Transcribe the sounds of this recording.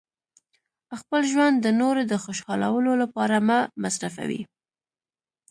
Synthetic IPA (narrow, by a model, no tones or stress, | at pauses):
xpəlʒwand̪dːənoɾed̪əxʊʃɑla̰wəlolapɑɾamamasɾaf̬a̰wḭ